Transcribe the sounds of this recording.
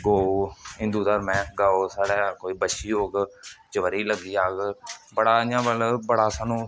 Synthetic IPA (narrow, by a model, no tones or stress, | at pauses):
ɡoːɦɪ̃nd̪uːd̪əɾmɛ̃ːɡaːoːsaːɽɛːkoːiːbəʃiːoːɡd͡ʒəʋəɾiːləɡiːaːɡbəɽaːɲãːbəlbəɽaːsaːnũː